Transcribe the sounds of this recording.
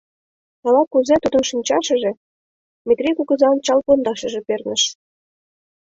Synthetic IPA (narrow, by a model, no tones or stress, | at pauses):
ɑlɑkuzet̪ud̪ə̆nʃinʲt͡ɕɑʃə̆ʒĕ | mʲit̪rʲikuɣə̆zɑnt͡ɕɑlpond̪ɑʃə̆ʒĕpernə̆ʃ